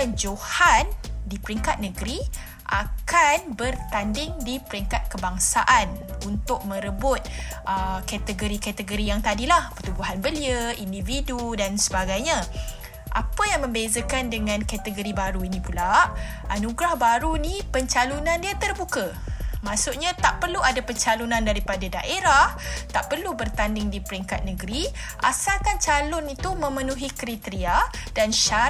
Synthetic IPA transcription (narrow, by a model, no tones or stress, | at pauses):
d͡ʒohandipəɾiŋkat̪̚nəɡəɾi | ʔakanbərt̪andɪŋdipəɾiŋkat̪̚kəbaŋsaʔanunt̪ʊk̚mə̃ɾəbʊt̪̚ʔəkat̪əɡoɾikat̪əɡoɾijaŋt̪adilahpərt̪uɡuɦanbəliəʔindividudansəbaɡajɲã | ʔa̰pəjaŋmə̃mbezəkandəŋãnkat̪əɡoɾibaɾuinĩpulaʔ | ʔanuɡɾahbaɾunipəɲt͡ʃalunãndiat̪ərbukə | mãsuʔɲat̪aʔpərluadapəɲt͡ʃalunãndaɾipadada̰ʔeɾaht̪aʔpərlubərt̪andɪŋdipəɾiŋkat̪̚nəɡəɾi | ʔa̰salkant͡ʃalʊnit̪umə̃mənũɦikəɾit̪əɾiadanʃa